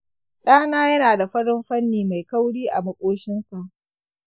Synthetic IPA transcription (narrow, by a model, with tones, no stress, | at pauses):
ɗaː˦naː˦jɐ˦naː˨da˨ɸɐ˦ɽɪ˦mɸɐ˦nːiː˨ma˨jkɐ˦wɽiː˦ʔa̰˨mɐ˦kʷʼoː˦ʃɪ˦nsa˨ʔ